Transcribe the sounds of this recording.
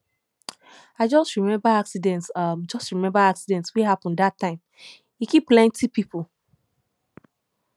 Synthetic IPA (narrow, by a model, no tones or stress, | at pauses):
aɪd͡ʒɔstɹimɛ̃mbaaksidɛ̃ntsʌmd͡ʒɔstɹimɛ̃mbaaksidɛ̃ntsweɦapɔ̃ndatʰːãɪ̃m | ikiplɛ̃ntʰipipʰol